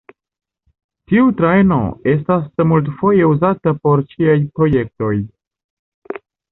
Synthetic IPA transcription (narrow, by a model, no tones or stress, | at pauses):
tiutɾaeno̞̰e̞s̬tasmult̬fo̞je̞uzatapo̞ɾt͡ʃiajpɾo̞je̞k̚to̞j